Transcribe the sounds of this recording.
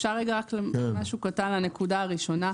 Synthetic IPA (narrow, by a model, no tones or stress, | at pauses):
ʃaʁːeɡaʁakleemaʃukatanlane̞kudaːʁiʃo̞na